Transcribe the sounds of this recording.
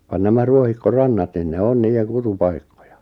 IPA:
ʋɑn næmæ ruohikːorɑnːɑt nin ne on niːjeŋ kutupɑikːo̥j̊ɑ̥

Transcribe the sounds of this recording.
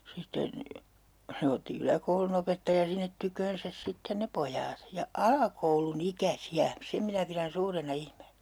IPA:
sitːen se otːi ylækoulunopetːɑjɑ sinːet tykøːnsæs sitːen ne pojɑːt jɑ ɑlɑkoulunikæsiæ sem minæ piræn suːrenɑ ihmeːnæ̥

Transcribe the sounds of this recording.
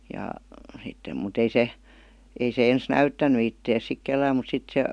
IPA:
jɑ sitːem mut ei se ei se ens næytːæny itːeːs sik kelːæːm mut sit se

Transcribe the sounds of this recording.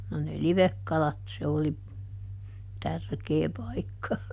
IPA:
no ne liʋekːɑlɑt se oli tærkeː pɑikːɑ

